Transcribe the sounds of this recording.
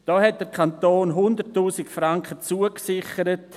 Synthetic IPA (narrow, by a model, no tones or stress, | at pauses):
d̥ɔːɦɛt̚d̥əɾkʰantoːnɦʊndətːuːsɪkfraŋkχət͡suəksɪχəɾət